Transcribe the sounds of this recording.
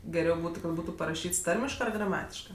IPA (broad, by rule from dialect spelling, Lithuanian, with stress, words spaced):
ɡʲɛˈrʲɛʊ ˈbuːtʊ kɐt ˈbuːtʊ pɐrɐˈʃʲiːts ˈtɐrʲmʲɪʃkɜ ɐr ɡrɐˈmɑːtʲɪʃkɜ